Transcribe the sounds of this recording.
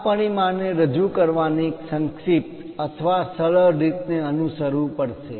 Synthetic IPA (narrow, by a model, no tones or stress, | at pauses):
pəɳ̃imãneɾəd͡ʒukəɾʋanieksə̃ŋkʂip̚t̪ət̪ʰʋasəɭəɾit̪neənusəɾũpəɽʃe